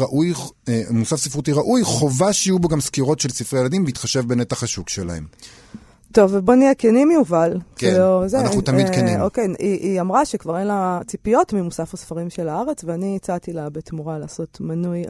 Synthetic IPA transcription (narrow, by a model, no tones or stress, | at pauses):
aʔuj | musafsifʁutiʁaʔujχo̞vaʃijuboɡamskiʁo̞tʃelsifʁejelad̪imbiit̪χaʃevbenet̪aχaʃukʃela̰hḛm | t̪o̞vbonijɛkenimjuvalkeozenaut̪amidkenimokejiʔiamʁaʃekvaʁenlat͡sipijo̞tmimusafasfaʁimʃelaaʁe̞t͡sveaniit͡sat̪ilabetmuʁalaːso̞tmanuj